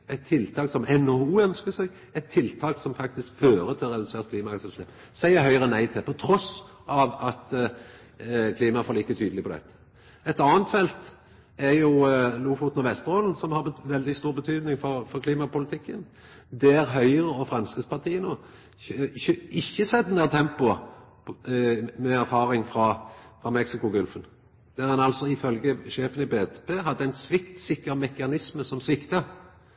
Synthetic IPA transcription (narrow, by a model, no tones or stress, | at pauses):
ɛt̪ʰːɪlt̪ʰɑːksɔmɛnouːœnskəsɛɡ | ɛt̪ʰːɪlt̪ʰɑːksɔmfɑk̚t̪ɪskføːɾət̪ʰɪlʁɛd̪ʉseːʁt̪̚kʰliːmɑɑksɛlsʃeːp | sæɪəɦœʏʁənæɪt̪ʰɪpʰɔt̪ʰɾɔs | ɑʋɑt̪ | kʰliːmɑfoːlɪkːət̪ʰyːd̪əlɪpʰɔd̪ɛ̰t̪ːə̥ | ɛt̪ɑːnt̪fɛlt̪ | æɾjʊluːfʊt̪nɔʋɛst̪əɾɔːln̩sɔmhɑɾbʋɛld̪ɪst̪uːʁbət̪ʰyːd̪nɪŋfɔɾfɔʁkʰliːmɑpʊlɪt̪ʰɪkːən | d̪ɛæʁɦœʏʁəɔfʁɑnskəspɑʁt̪ʰiːənoː | çɪçːəsɛd̪ənæʁt̪ʰɛmpʊ | mɛæʁfɑːʁɪŋfʁɑfʁɑmɛksɪkʊɡʉlfən | d̪̥æʁɛnɑlsɔɪfœlɡəʃeːfənɪbeːt̪ːpeːɦɑd̪ːəæɪnsʋɪkt̪sɪkːəʁmɛkɑnɪsməsɔmsʋɪkt̪ə